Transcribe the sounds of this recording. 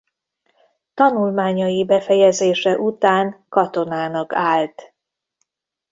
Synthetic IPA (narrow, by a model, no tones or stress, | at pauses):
t̪ɒnulmaːɲɒjibɛfɛjɛzeːʃɛʔut̪aːŋkɒt̪o̞naːnɒkaːlt̪